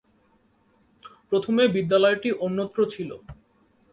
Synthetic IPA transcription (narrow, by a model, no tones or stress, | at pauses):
pɾot̪ʰomebid̪ːalɔeʈiʔonːot̪ːɾot͡ɕʰilo̰